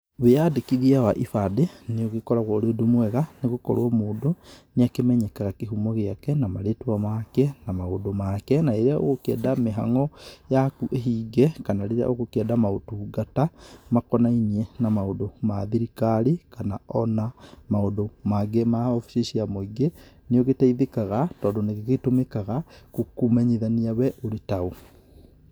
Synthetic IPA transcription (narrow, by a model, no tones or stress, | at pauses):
βeadekiðiawaʔifadeneoɣekɔɾaɣwaoɾeodumwɛɣaneɣokɔ̰ɾɔmoːdoneakemɛɲɛkaɣakeɦumɔɣeakɛnamaɾetwamakɛnamaodomakɛnaeɾeao̰ɣokɛ̰ːdameɦaŋɔjakuʔeɦiːɡɛkanaɾeɾea̰ʔoɣokɛdamaotuɡatamakɔnainienamaodomaðiɾikaɾekanaɔnamaodomaɡemaɔfi̥ʃeʃiamoiɡeneɔɣetaiðekaɣatɔːndoneɣeɣetomekaɣakokumɛɲeðaniawɛʔoɾetao